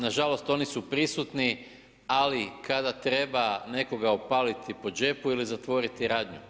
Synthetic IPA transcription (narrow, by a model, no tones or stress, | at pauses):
naʒalo̞st̪o̞nisupɾisut̪ni | alikʰad̪at̪ɾe̞bane̞ko̞ɡaopalit̪ʰipo̞d͡ʒe̞puilizat̪ʋo̞ɾit̪iɾaːd̪ɲu